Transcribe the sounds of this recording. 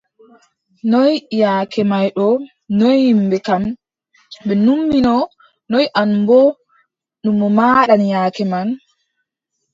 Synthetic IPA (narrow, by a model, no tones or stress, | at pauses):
nɔjjaːkɛmajɗɔ | nɔjhimbɛkam | ɓɛnumːinɔ | nɔjʔanbɔ | ɗumːɔmaːɗanjaːkɛman